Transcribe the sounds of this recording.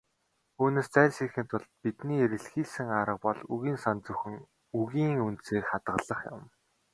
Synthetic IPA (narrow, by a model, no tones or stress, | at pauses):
uːneːst͡sæːrʲsixĭːnt̪ʰʊɮt̪̚pit̪niːeɾɘ̆ɮxiːɮsɘ̆ŋaɾə̆q̚pɔɮuɣiːnsant͡sɵxɘ̆ŋ | uɣiːŋunt̪seːkχat̪ɢə̆ɮə̆χjʊ̰̆m